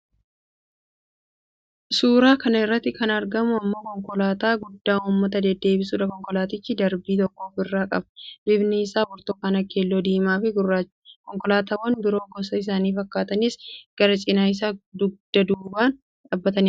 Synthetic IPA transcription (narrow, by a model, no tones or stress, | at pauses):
suːɾaːkɐnɐɪrːɐt̪ːɪkɐnɐɾɡɐmʊɐmːoːkɔŋkɔlaːt̪aːɡʊd̪ːaːnʊːmːɐt̪̬ɐd̪ɛd̪ːe̞ːbɪsuːᶑɐkɔŋkɔlaːt̪ɪt͡ʃːɪd̪ɐɾbiːt̪̬ɔkːo̞ːfɪrːaːkʼɐ̰bbɪbnɪːsaːwɔɾt̪oːkaːnɐkːeːlːo̞ːd̪iːmaːfɪɡʊraː | kɔŋkɔlaːt̪aːwɐnbɪɾo̞ːɡɔsɐɪs̬aːniːfɐkːaːt̪ɐnisɡ̥ɐɾɐt͡ʃʼɪnaːɪs̬aːd̪ʊɡ̚d̪̥ɐd̪uːbaːn | ᶑabːɐt̪ɐnɪ